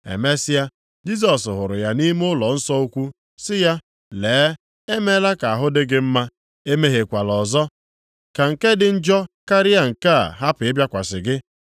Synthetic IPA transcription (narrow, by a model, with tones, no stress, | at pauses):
ḛ˨me˦sɪ˦ja˦ | d͡ʒi˦s̬ɔ˨s̬ɦʊ˨ɾʊ˨ja˦ni˦m˦ʊ˦lɔ˨n̩˦sɔ˦u˦kʷu˦ | sɪ˦ja˦ | leː˨˦ | e˦me˦la˦ka˨a˨ɦʊ˦dɪ˦ɡɪ˦m̩˦ma˦ | e˦me˦ɦe˨kʷa˨lɔ˨zɔ˦ | ka˨ŋ̩˨ke˦dɪ˨n̩˦d͡ʒɔ˦ka˦ɾɪ˦a˦ŋ̩˨ka̰˦˨ɦa˦pʊ˨ɪ˦bja˦kʷa˨sɪ˨ɡɪ˦